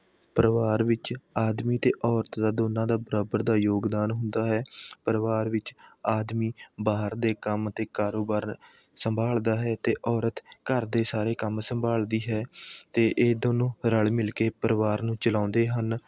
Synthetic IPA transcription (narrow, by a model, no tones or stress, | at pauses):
pəɾəʋaːɾʋɪt͡ʃaːd̪miːt̪eːʔɔːɾət̪d̪aːd̪oːnãːd̪aːbəɾaːbəɾd̪aːjoːɡd̪aːnɦʊnd̪aːɦɛːpəɾəʋaːɾʋɪt͡ʃaːd̪miːbaːɦəɾd̪eːkəmt̪eːkaːɾoːbaːɾ | səmbʱaːld̪aːɦɛːt̪eːʔɔːɾət̪kəɾd̪eːsaːɾeːkəmsəmbʱaːld̪iːɦɛːt̪eːʔeːd̪oːnõːɾəɭmɪlkeːpəɾəʋaːɾnũːt͡ʃəlãːnd̪eːɦən